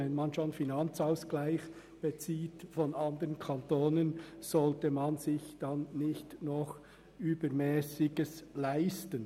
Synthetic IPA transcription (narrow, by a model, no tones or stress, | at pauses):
ɛnmɑnʃonfinɑnt͡saʊsɡ̥laɪç | b̥et͡siːtfɔnʔɑndəʁənkʰɑntoːnənz̥ɔltəmɑnzɪçd̥ɑnːɪçtnɔχ | yːbəɾmɛːsɪɡəslaɪstən